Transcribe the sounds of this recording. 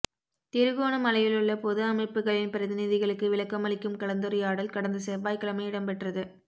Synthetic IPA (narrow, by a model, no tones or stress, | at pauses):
t̪ɪɾɯɣoːnɐmɐlɐjɪlɯɭːɐpoːðɯɐmɐɪpːɯɣɐɭɪnpɪɾɐðɪnɪðɪɣɐɭɯkːɯʋɪlɐkːɐmɐɭɪkːɯmkɐɭɐnd̪ɯɾɐjaːɽɐlkɐɽɐnd̪ɐsɛbaːɪkːɐɭɐmɐɪɪɽɐmpɛʈrɐðɯ